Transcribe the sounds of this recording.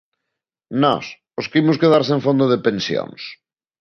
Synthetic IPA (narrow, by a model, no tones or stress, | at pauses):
nɔ̰s | ʊskimʊskeðaɾseɱfond̪ʊðepẽnsjo̰ŋs